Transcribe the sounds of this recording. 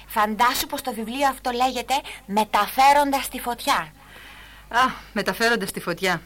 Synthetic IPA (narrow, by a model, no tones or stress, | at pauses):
fɐnd̪ɐsupo̞st̪o̞vivlio̞ɐft̪o̞le̞ʝe̞t̪e̞me̞t̪ɐfe̞ɾo̞nd̪ɐst̪ifo̞t̪çɐ | ɐme̞t̪ɐfe̞ɾo̞nd̪ɐst̪ifo̞t̪çɐ